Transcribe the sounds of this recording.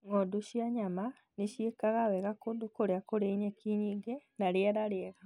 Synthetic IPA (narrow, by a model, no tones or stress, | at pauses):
ŋoduɕjaɲama | neʃjekaɣawɛɣakondokoɾeakoɾeiɲekiɲiːŋɡenaɾɛɾaɾeɛɣa